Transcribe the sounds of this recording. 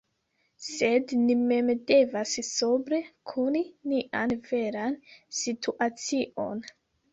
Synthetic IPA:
se̞dnime̞mde̞vassobɾe̞kʰuniniʔanve̞ɾansitʰuʔat͡siʔo̞̰n

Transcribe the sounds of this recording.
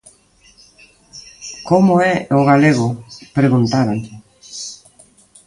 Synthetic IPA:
komoɛoɣaleɣopɾeɣunt̪aɾanʎɪ

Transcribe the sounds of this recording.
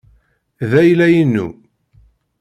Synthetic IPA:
ðæjlæjinːṵ

